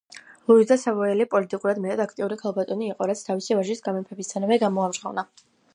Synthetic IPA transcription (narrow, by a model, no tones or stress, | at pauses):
lˠuizd̪asavɔɛlipʼɔlit̪ʼikʼuɾad̪mɛt̪ʰad̪akʰt̪ʼiuɾikʰalˠbat̪ʼɔniːqʼɔɾat̪sʰt̪ʰavisivaʒisɡamɛmpʰɛbist̪ʰanavɛɡamɔamd͡ʒʁa̰vna